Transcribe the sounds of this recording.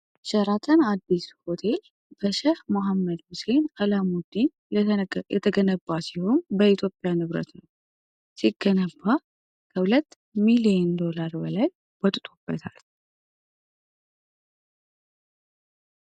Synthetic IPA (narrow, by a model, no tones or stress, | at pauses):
ʃəɾat̪ʰənad̪ːisho̞t̪ʰe̞l | b̥əʃɛhmoɦamːəd̪mɨsenalamud̪in | jɛt̪ʰəɡənəbːasiho̞nbəit̪ʰjo̞pʼːjanɨβɾə̰t̪nəw | siɡːənəbːa | kʰəhʊlət̪ː | milijend̪o̞laɾbəlaj | bət̪ʼt̪ʼub̥ːət̪ʰal